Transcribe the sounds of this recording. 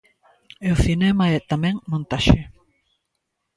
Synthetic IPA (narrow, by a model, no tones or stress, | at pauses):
eoθinɛmaɛt̪amɛ̃ŋmõnt̪aʃe